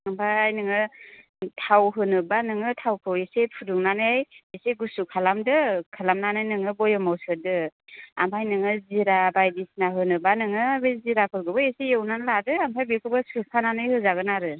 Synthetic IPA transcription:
ampʰajjnɯŋɯ | tʰawɦɯnɯbanɯŋɯtʰawkʰɯwesepʰuduŋnanɯajeseɡusukʰalamdɯkʰalamnanɯjnɯŋɯbɔjɔmawsɯdɯa̰mpʰajnɯŋɯziɾabajdisnaɦɯnɯbanɯŋɯbeziɾapʰɯɾɡɯbɯesejewnanladɯampʰajbekʰɯbɯsɯpʰananɯjhɯzaɡɯnaɾɯ

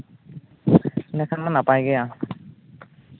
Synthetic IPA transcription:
nɛkʰanmanapajɡɛja

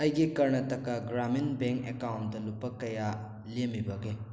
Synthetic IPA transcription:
ɐjɡikɐɾnɐtɐkːaɡɾaminbeŋkekawnt̚dɐlupːɐkɐja | lemibɐɡe

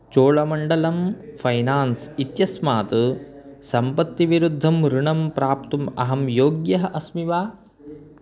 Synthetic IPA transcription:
t͡ʃoːɭɐmɐɳɖɐlɐmpʰɐjnaːnsit̪jɐsmaːt̪usɐmpɐt̪ːiʋiɾud̪ʱːɐmɾuɳɐmpɾaːpt̪umɐ̰ɦɐmjoːɡjɐɦɐʔɐsmiʋaː

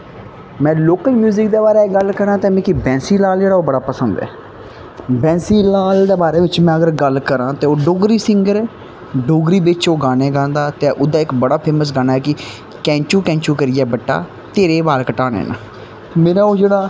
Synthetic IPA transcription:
mɛ̃ːloːkəlmjuːzɪkd̪eːbaːɾeːɡəlkəɾãːt̪eːmɛ̃ːkibɛ̃ːnsiːlaːld͡ʒeːɽaːoːbəɽaːpəsənd̪ɛ̰ː | bɛ̃ːsiːlaːld̪eːbaːɾeːʋɪt͡ʃmɛ̃ːəɡəɾɡəlkəɾãːt̪eːoːɖoːɡɾiːsɪŋɡəɾɛː | ɖoːɡɾiːbɪt͡ʃoːɡaːneːɡãːnd̪aːt̪ẽːʔʊd̪aːɪkbəɽaːpʰeːməs̬ɡaːnaːɦɛːkɪ | kɛ̃ːt͡ʃuːkɛ̃ːt͡ʃuːkəɾɪjɛːbəʈːa̰ː | t̪eːɾeːbaːɾkəʈaːnḛːna̰ː | meːɾaːoːd͡ʒeːɽaː

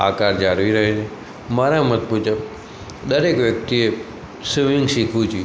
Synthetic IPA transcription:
a̰kaɾd͡ʒaɾʋiɾəɦet͡ʃʰe | maɾamət̪̚pud͡ʒəp̚ | d̪əɾekʋjək̚t̪ie | siʋĩŋɡʃikʰũt͡ʃʰ

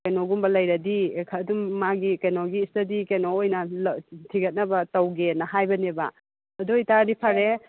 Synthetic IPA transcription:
kɐjnoɡumbɐlɐjɾɐdikʰɐdumːaɡikɐjnoɡiːstɐdikenoojnɐltʰiɡɐt̚nɐbɐtɐwɡenɐɦajbɐnebɐ̰ | ɐduitaɾnipʰɐɾe

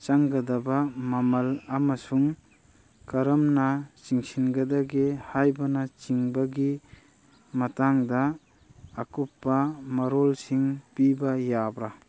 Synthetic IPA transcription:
t͡ʃaŋɡadabamamɐlamasuŋ | kaɾɐmnat͡ʃiŋsʰinɡadaɡehajbanat͡ʃiŋbaɡi | mataŋdaː | kupːamɐɾɔlsiŋpibajabɾa

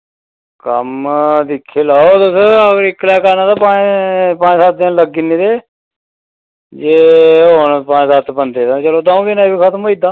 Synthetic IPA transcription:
kəmd̪ɪkʰːeːlaːod̪ʊsəɡəɾɪkːlɛːkanãːt̪aːpaːpãːɲsaːt̪̚d̪ɪnləɡinĩːd̪eː | d͡ʒeːoːnpaːsaːt̪bənd̪eːt̪at͡ʃəloːd̪aːõːɡenaːibikʰət̪moːid̪aː

